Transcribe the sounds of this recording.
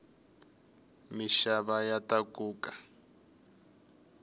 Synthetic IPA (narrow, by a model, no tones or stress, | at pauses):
miʃaβajatakuːkḁ